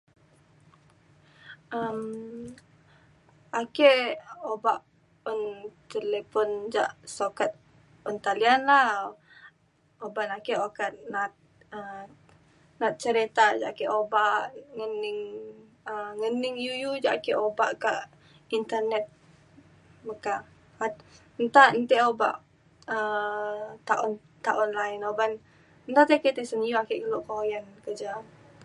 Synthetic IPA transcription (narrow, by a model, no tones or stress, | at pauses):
əm | akeʔobaʔ | ɔnt̪elepɔnd͡ʒaʔsokat̪̚ | ɔnt̪alianla | obaʔnakeʔokat̪̚nat̪̚ | ə | nat̪̚t͡ʃəɾet̪ad͡ʒa̰ʔkeʔobaʔŋənɪŋ | əŋənɪŋjujud͡ʒaʔkɛʔobaʔkaʔ | int̪ərnɛt̪̚ | məka | at̪ | nt̪aʔnt̪ɛʔoba̰ʔ | ə | t̪aʔɔn | t̪aʔɔnlainoban | nt̪aʔt̪eket̪ɛsənijuakɛʔkəloʔkojankəd͡ʒa